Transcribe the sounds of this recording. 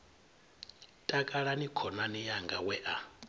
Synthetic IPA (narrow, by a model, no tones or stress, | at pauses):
tʼakʼaɺanikʰɔnanijaŋɡawɛʔa